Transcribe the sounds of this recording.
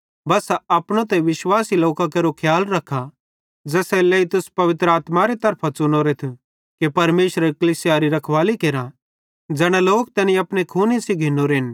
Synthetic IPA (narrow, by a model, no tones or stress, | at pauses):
bɐsɐpɽ̃ot̪ɛʋɪʃwaːsiloːkakeɾokʰjaːlɾɐkʰa | d͡ʒɛːsɛleit̪ʊspɐʋɪt̪ɾəaːt̪maɾet̪ɐɾpʰat͡sʊnoːɾet̪ʰu | kepɐɾmeːʃɾəkɐlisijaːɾiɾɐkʰʋaːlikeːɾã | d͡ʒɛːɽ̃aloːk̚t̪ɛːnĩɐpɽ̃ekʰuːnisiɡʱɪnoɾeːn